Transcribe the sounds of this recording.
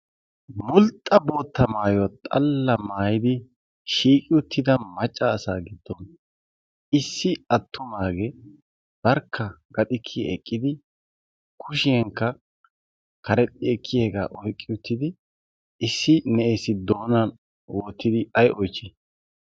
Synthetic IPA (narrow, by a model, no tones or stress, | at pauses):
mʊlt̪ʼːɐbo̞ːt̪ʰːɐmaːjɔt̪ʼɐ̰lːɐmaːjɪd̪ɪ | ʃiːkʼɪʊt̪ʰːɪd̪ɐmɐt͡ʃʼːaːsaːɡɪd̪̥ːɔn | ɪsːɪɐt̪ʰːʊmaːɡɛ | b̥ɐɾkʰːɐɡ̥ɐt̪ʼɪkʰːɪɛ̰kʼːɪd̪ɪ | kʰʊʃɪɛŋkːɐ | kɐɾɛt̪ʼːɪɛkʰːɪjeːɡa̰ːʔɔjkʼːɪʊt̪ːɪd̪ɪ | ɪsːɪnɛʔeːsɪd̪o̞ːnɐn | woːt̪ːɪd̪ɪɐjʔɔjt͡ʃːɛ